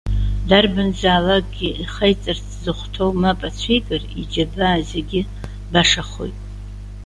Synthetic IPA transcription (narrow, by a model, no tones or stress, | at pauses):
darbɨnzaːlak̚ʼɡʲiiχəjt͡sʼɨrt͡sʰzɨχʷtʰowmapʼat͡ɕʷʰejkʼɨrḭd͡ʒabaːzeɡʲɪ | baʂaχo̰jtʼ